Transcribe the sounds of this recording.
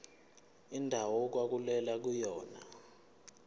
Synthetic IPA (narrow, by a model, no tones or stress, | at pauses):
indʱawɔk̬wak̬ulɛlak̬ujɔːna̰